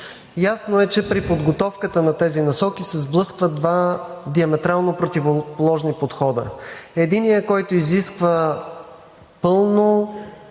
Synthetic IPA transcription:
jasnoɛt͡ʃɛpɾipod̪ɡot̪ɔfkət̪ənɐt̪ɛzinɐsɔkisɛzblˠɤskvəd̪vad̪iɐmɛt̪ɾalˠnopɾot̪ivopolˠɔʒnipot̪xɔd̪ə̰ɛd̪inijəkɔjt̪oiziskvə | pɤlˠno

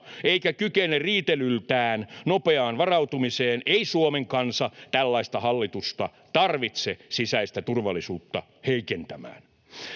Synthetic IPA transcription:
eikækykenerriːt̪elylt̪æːnnopeɑːnʋɑrɑwt̪umiseːneisuomeŋkɑnsɑt̪ælːɑist̪ɑhɑlːit̪ust̪ɑ | t̪ɑrʋit̪sesisæist̪æt̪urʋɑlːisuːt̪ːɑ | heikent̪æmæ̰ːn

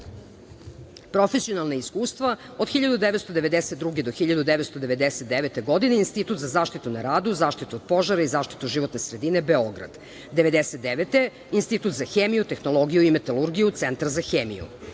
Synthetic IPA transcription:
pɾo̞fesio̞nalˠnaiskuːst̪ʋa | od̪xiʎad̪ud̪eʋe̞t̪st̪od̪eʋed̪eset̪d̪ɾuɡed̪o̞xiʎad̪ud̪eʋet̪st̪od̪e̞ʋe̞d̪eset̪d̪eʋet̪eɡo̞d̪ineinst̪it̪uːt̪zazaːʃt̪it̪unaɾaːd̪uzaːʃt̪it̪uod̪̥̚po̞ʒaɾaizaːʃt̪i̥t̪uʒiʋo̞t̪nesɾed̪ine̞beo̞ɡɾa̰d̪ | d̪eʋe̞d̪eset̪̚d̪eʋet̪e | inst̪it̪ut̪zaxeːmijut̪exnolˠoɡijuimet̪alˠuɾɡijut̪sent̪aɾzaxeːmḭjṵ

